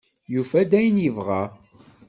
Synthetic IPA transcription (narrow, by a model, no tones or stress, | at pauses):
jufæd̪æjənjəvʁa